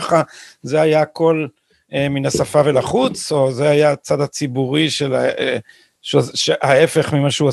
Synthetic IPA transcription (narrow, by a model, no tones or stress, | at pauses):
χazeajaːko̞l | eminasafavelaχut͡so̞zeajat͡sad̪at͡sibuʁiʃela̰e | ʃʃehae̞fe̞χmimaʃeua